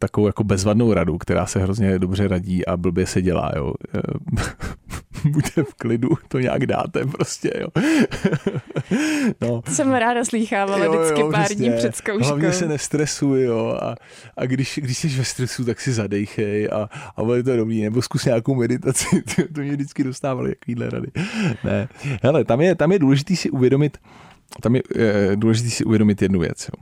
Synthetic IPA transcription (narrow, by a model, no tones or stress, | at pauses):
t̪akovowjako̞bɛzvadno̞wɾadukt̪ɛɾa̰ːsɛɦɾozɲɛdo̞br̝ɛɾaɟiːʔabl̩bjɛsɛɟɛla̰ːjo̰ | bucɛfklɪdut̪oɲa̰ːɡda̰ːt̪ɛpɾoscɛ̰jo̰ː | nosɛmɾaːdasliːxaːvaljoɪjojokɪprpɛːɾsdɲiɛrɛt̪skowɦlavɲɛssɛnɛst̪ɾɛsujjoa̰ | ʔa̰ɡdɪʃɡdɪʃsɛʃvɛst̪ɾɛsut̪aksɪzadɛjxɛjʔa̰ʔa̰bodɛt̪̬odobɾiːnɛboskusɲaːkowmɛdɪt̪at͡sɪɪjot̪omɲɛdɪt͡skɪdo̞st̪aːvalɪ̰t̪akoviːdlɛ̰ɾa̰dɪnɛɦɛlɛt̪amjɛt̪amjɛduːlɛʒɪt̪iːsɪʔuvjɛdo̞mɪt̪ | t̪amjɛduːlɛʒɪt̪̬iːsɪʔṵvjɛdo̞mɪt̪jɛdnuvjɛ̰t͡sjo̰